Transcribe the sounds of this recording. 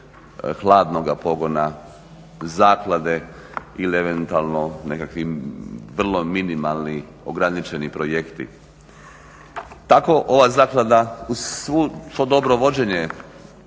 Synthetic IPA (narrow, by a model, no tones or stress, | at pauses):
xlˠaːd̪no̞ɡapo̞ɡo̞na | zaːklad̪e̞ | ilieʋe̞nt̪ualˠno̞ne̞kakʋiʋr̩lo̞minimalni | oɡɾanit͡ʃe̞nipɾoje̞kt̪ḭ | t̪ako̞ʔo̞ʋazaːklad̪auʋusʋo̞d̪o̞bɾo̞ʋo̞d͡ʑe̞ɲe